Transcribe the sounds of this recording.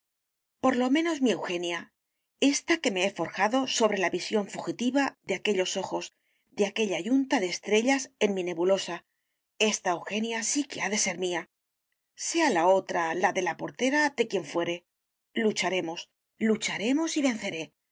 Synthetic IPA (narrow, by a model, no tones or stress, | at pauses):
po̞ɾlo̞mẽ̞no̞zmie̞wxe̞nja | e̞st̪ake̞me̞efo̞ɾxaðo̞so̞βɾe̞laβisjo̞ɱfuxit̪iβaðeake̞ʎo̞so̞xo̞z | ðeake̞ʎaʝunt̪aðeːst̪ɾe̞ʎase̞nmine̞βulo̞sa | e̞st̪aewxe̞njasike̞aðe̞se̞ɾmia | se̞alao̞t̪ɾalaðe̞lapo̞ɾt̪e̞ɾaðe̞kje̞ɱfwe̞ɾe̞ | lut͡ʃaɾe̞mo̞s | lut͡ʃaɾe̞mo̞siβe̞nθe̞ɾe̞